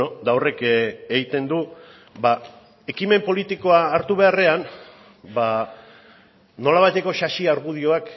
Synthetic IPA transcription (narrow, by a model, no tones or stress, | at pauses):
od̪awre̞keɣit̪e̞nd̪u | ba | e̞kime̞mpo̞lit̪iko̞aːɾt̪uβe̞are̞an | ba | no̞laβajt̪e̞ko̞ʃaʃiaɾɣuð̞io̞ak